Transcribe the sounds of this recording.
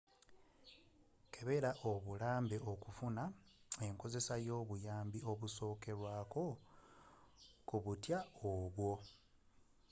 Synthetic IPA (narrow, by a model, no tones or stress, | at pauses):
kʰe̞βe̞ɾaʔo̞βulaːmbe̞ʔo̞kufuna | e̞ŋko̞ze̞sajo̞ːβujaːmbio̞βuso̞ːke̞ɾwaːko̞ | kuβutjaoβwo̞